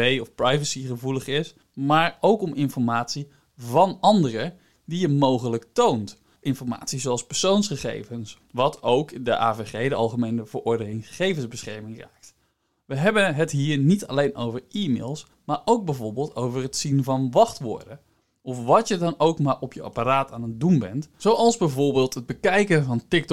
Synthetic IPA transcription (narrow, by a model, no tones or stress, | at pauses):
ejɔfprɑjvəsiχəvuləχɪs | maːɹowkɔmʔɪnfɔɹmaːtsi | vɑnɑndərə | dijəmowχələktownt | ʔɪnfɔɹma̰ːtsizoɑlˠspɛɹsownsχəχḛjvəns | ʋɑtʰowkdəʔaːveχejdəɑlˠχəmejnəvəɹɔɹdənɪŋχəχejvənzbəsχɛɹmɪŋra̰ːk̚t | ʋəɦɛbənɦətɦiːɹnitɑ̰lejnʔo̰wvəɹimḛːlˠs | maːɹʔowɡ̚bɛjvʊːɹbeːlˠtowvərɦətsinvɑnʋɑχtʋʊ̰ːɹdə | ʔɔfʋɑtjədɑnowkmaːɹɔpjəʔɑ̰paraːtaːnət̚dunbɛ̰ntsowɑlˠzbɛjvʊɹbɪːlˠtɦəd̚bəkɛjkənvɑntɪk̚t